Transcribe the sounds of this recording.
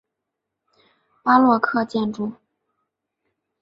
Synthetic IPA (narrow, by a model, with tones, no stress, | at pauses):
pa˥lwɔ˥˧kʰɤ˥˧t͡ɕjɛ˥˧nʈ͡ʂu˥˩